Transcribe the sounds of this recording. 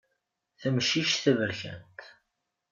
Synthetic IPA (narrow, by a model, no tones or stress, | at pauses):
θəmʃiʃθəvəɾçə̰nt̪